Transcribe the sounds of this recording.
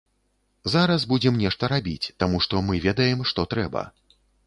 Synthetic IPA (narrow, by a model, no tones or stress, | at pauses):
zaɾɐsbud͡zʲɛmnʲɛʂt̪ɐɾabʲit͡sʲt̪amuʂt̪ɔmɨvʲɛd̪ɐjɛmʂt̪ɔt̪ɾɛbɐ̰